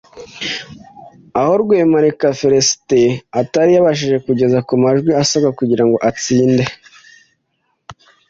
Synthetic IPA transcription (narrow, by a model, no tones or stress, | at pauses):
aho̞ɾɡweːmaɾekafeɾesteataɾijaβaʃ̬iʒe̞kuɟe̞zakumaʒɡwiasabakuɟiɾaŋɡo̞ʔat͡siːnde̞